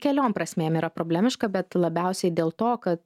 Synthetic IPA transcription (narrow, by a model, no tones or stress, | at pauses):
kʲɛlʲoːmpɾɐsʲmʲeːmiːɾɐpɾoːbʲlʲæmʲɪʃkɐbʲɛt̪lˠɐbʲɛˑʊsʲɛɪd̪ʲeːlˠt̪oːkɐt̪